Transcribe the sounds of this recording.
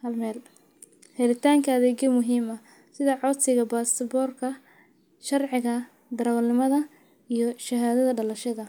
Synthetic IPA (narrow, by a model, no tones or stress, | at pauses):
hɐlmɛːl | hɛɾɪt̪ʰaːŋkʰɐːðɛːd͡ʒɐmʊɦiːmɐ | sɪðɐʕɔd̪sɪɣɐbaːsɐbɔːrkʰɐ | ʃɐrʕɪɣɐ | d̪ɐɾɐwlːɪmɐðɐ | ijɞʃɐɦaːðɐðɐɖɐlɐʃɐðɐ